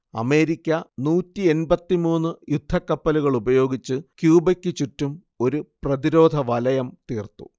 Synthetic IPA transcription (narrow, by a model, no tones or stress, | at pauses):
ɐ̰me̞ːɾikʲːɐnuːtːie̞nbɐt̪ːimuːnːɨjud̪ʱːɐkːɐpːɐluɣɐɭubɐjo̞ːɡit͡ɕːɨkjuːbɐkʲːɨt͡ɕutːum | o̞ɾuprɐðiɾo̞ːd̪ʱɐʋɐlɐjɐmt̪iːrt̪ṵ